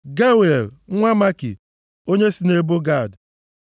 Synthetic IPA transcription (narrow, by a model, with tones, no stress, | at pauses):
ɡa˦bɾi˨e˨l̩˦ŋʷa˦ma˦kḭ˨ | o˦ɲe˦si˦ne˦bo˦ɡa˦˨d